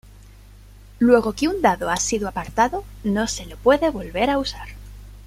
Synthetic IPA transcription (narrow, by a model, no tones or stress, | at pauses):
lwe̞ɣ̞o̞keund̪aðoasiðuapaɾt̪aðono̞se̞lo̞pwe̞ðe̞βo̞lβe̞ɾausaɾ